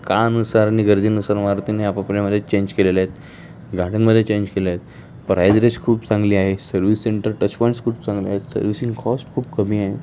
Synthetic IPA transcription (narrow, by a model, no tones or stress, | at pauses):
kanusaɾaniɡəɾd͡ziːnusaɾmaɾt̪ineapapɾaməd̪ʱːjet͡ɕeɲd͡ʑkelelajet̪ | ɡʱaʈənməd̪ʱːjet͡ɕẽɲd͡ʑkeleajet̪ | pɾajd͡zɾeskʰuːpt͡sãŋɡliːaɦesəɾʋisːeɳʈəɾʈət͡ɕpɔjɳskʰuːpt͡sãŋɡliaɦet̪sə̰ɾʋisĩŋɡkʰɔsʈkʰuːpkəm̤iːaɦe